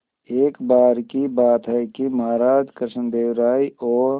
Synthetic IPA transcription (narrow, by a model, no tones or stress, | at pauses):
eːkbaːɾkibaːt̪ɦɛkiməɦaːɾaːd͡ʒkɾɪʃənd̪eːwɾaːiɔːɾ